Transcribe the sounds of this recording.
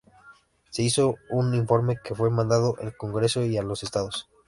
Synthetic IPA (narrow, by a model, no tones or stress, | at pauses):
se̞iso̞uniɱfo̞ɾme̞ke̞fwe̞mãnd̪aðoʔelkoŋɡɾe̞so̞ialose̞st̪aðos